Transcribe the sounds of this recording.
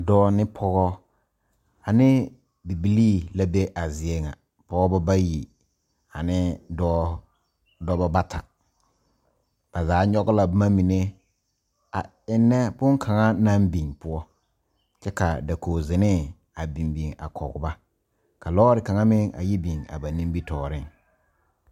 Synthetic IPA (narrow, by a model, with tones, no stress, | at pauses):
dɔː˦nɪ˦pʰɔ˦ɣɔ˦ | a˨nɪ˦ | bi˨bi˨liː˦˨la˦be˦ʔa˨zɪ˨ɛ˨ŋa̰˨ | pɔ˨ɡɔ˦ba˦ba˦ji˨ | a˨nɪ˦dɔː˦ | dɔ˦ba˦ba˦tʰa˨ | b̥a˨zaː˨˦ɲɔ˦ɡʊ˦la˨bmã˦mi˨ne˦ | a̰˨ | ɪ˦nːɛ˦bʊ̃˦ŋkʰa˨ŋa˦nã˦mbi˨ŋpʊ˦ɔ˦ | t͡ʃɛ˦ka˨da˨kʰo˨zɪ˨nɪ˦ | a˨bi˨mbi˨ŋa̰˨kʰɔ̰˨ɡʊ̰˨ba˦ | ka˨lɔː˦ɾɪ˨ka˨ŋa˦mɪ˦ŋa̰˨ji˦bi˨ŋa̰˨ba˨nĩ˦m˦bi˦tʰɔː˨ɾɪ˦˨ŋ